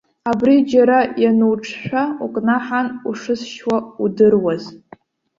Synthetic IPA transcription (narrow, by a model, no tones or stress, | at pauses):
abrid͡ʒaɾajanuwʈ͡ʂʰʼʃʷᶣaukʼnaħanuʂɨsʃwaudɨrwaz